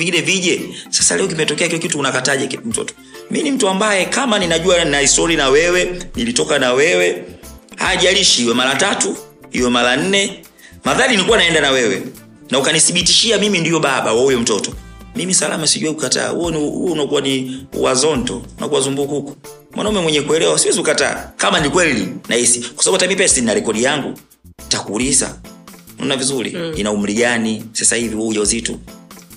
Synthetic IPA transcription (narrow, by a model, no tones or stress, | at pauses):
viŋɡinɛviʄɛsasalɛɔkimɛtɔkɛakilɔkituunakataʄakm̩tɔ̰tɔ̥ | minim̩tuambajɛkamaninaʄuanaisɔlinawɛwɛnilitɔkanawɛwɛha̰ːʄaliʃiiwɛmalatatu | ḭwɛmalan̩nɛ | maðalinikuwanaɛndanawɛwɛ̰ | naukanisiɓitiʃiamimindijɔɓaɓa̰waujɔm̩tɔtɔmimisala̰masiʄuwɛukata̰ːhṵɔnṵɔnakuwaniṵwazɔntɔ̰unʔa̰kuwazumbukukɔ̥ | mwʔa̰naumɛmwɛɲɛkuɛlɛwasiwɛziukata̰ːkamanikwɛlinʔaisi̥kwasaɓatamipɛsinnalɛkɔɗijaŋɡṵ | takuːlisa̰ | nɔ̰navizulḭinaum̩liɡanisasahiviwɔuʄauzitu